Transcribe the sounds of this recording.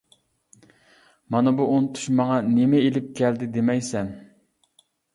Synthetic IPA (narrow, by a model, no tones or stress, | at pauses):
mɑnɨbuʔːnɪt̪ʰu̥ʃmɑŋɑnemɛelɪp̚kʲʰɛld̪ɪd̪emɛjsɛn